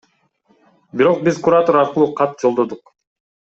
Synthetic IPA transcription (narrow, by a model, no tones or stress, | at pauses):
biɾo̞q̚bizkuɾat̪o̞ɾɑɾqɯlˠuːqʰɑt̪̚d͡ʒo̞lˠd̪o̞d̪uq